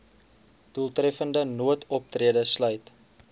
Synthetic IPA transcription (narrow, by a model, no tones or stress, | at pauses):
d̥ulˠtrɛfəndənuətʰɔp̚triədəslœɥt